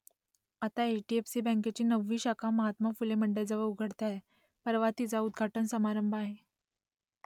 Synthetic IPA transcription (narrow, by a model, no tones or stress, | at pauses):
at̪aeʈiefsiːbɛ̃ŋket͡ɕiːnəʋːiːɕakʰaməɦat̪mafuleməɳɖed͡zəʋəɾuɡʱəɽt̪jae | pəɾʋat̪it͡saud̪ɡʱaʈənsəmaɾəmbʱaɦe